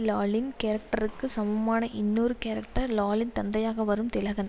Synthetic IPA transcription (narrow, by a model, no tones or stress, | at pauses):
laːlɪnkeːɾɐk̚ʈɐɾɯkːɯsɐmɐmaːnɐʔɪnːuːɾɯkeːɾɐk̚ʈɐɾlaːlɪnt̪ɐnd̪ɐjaːɣɐʋɐɾɯmt̪ɪlɐɣɐn